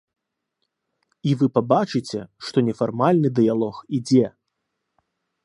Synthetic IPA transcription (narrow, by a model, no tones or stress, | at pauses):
ivɨpabat͡ʂɨt͡sʲɛʂt̪ɔnʲɛfarmalʲnɨd̪ɨjalˠɔxid͡zʲɛ